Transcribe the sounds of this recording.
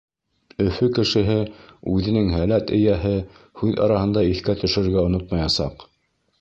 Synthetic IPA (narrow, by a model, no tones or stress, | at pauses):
ɵ̆fɵkɘ̆ʃɘ̆ɦɘʉðɘ̆nɘŋɦælæt̪ɘ̆jæɦɘ | hʉðɑ̰ɾɑhɤ̆nd̪ɑiθkæt̪ɵ̆ʃɘ̆ɾɘ̆ɾɡæŏnot̪mɑjɑsɑ̰q